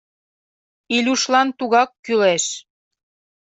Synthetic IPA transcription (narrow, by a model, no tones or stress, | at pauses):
ilʲuʃlɑnt̪uɣɑkːyleʃ